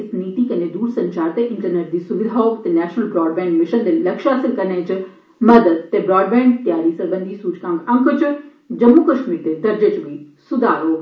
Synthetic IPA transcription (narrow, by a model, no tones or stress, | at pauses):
sniːt̪ikɐned̪uːɾsɐ̃ɲt͡ʃaːɾt̪eʔɪ̃ɳʈəɾneʈd̪iːsʊʋɪlɦɔːkt̪enɛːʃnəlbɾɔːɖ̚bɛ̃ːɳɖmɪʃənd̪elɐkʃɦaːsɪlkɐɾnẽːt͡ɕ | mɐd̪əd̪̚t̪ebɾɔːɖbɛ̃ːɳt̪jaːɾisɐɾbə̃nd̪ʱisuːt͡ʃkãːɡɐ̃ŋkʰʊt͡ɕʊ | d͡ʑɐmːukɐʃmiːɾt̪ed̪ɐɾd͡ʑet͡ɕbʱĩ | sʊd̪aːɾoː